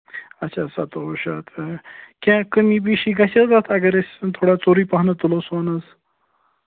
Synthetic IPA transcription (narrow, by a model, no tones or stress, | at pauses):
ɐtːɕʰasɐt̪ooʃat̪ʰkʲãkəmibiʃiɡɐsɐzat̪ʰɐɡɐɾesʲt̪ʰoːɽat͡soːɾipaɦnɐt̪ulosʋaːnɐz